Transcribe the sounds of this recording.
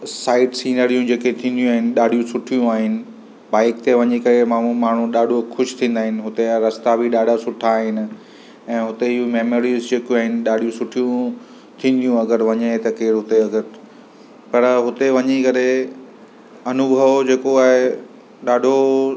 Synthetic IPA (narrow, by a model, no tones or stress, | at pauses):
saːɪʈsiːnəɾijũd͡ʑeːket̪ʰĩːnd̪ijũaːɦɪnɪ̆ɗaːɖ̤ʱijũsʊʈʰijũaːɦɪnɪ̆ | ɓaːɪk̚t̪eʋɐɲekɐɾemaumaːɳ̤ũɗaːɖʱoxʊʃt̪ʰĩːnd̪aːɦɪnɪɦʊt̪eɾɐst̪abʱiɗaːɖʱasʊʈʰaːɦɪnɪ̆ | ɛ̃ːɦʊt̪eɪɦumeːmoːɾizd͡ʑeːkjũaːɦɪnɪ̆ɗaːɖ̤ʱijũsʊʈʰijũ | t̪ʰĩːn̆d̪ijũɐɡəɾʋɐɲet̪ɐkeːɾɦʊt̪eɐɡəɾ | pɐɾɦʊt̪eʋɐɲekɐɾe | ɐnʊbʱəʋd͡ʑeːkoaːɦe | ɗaːɖʱo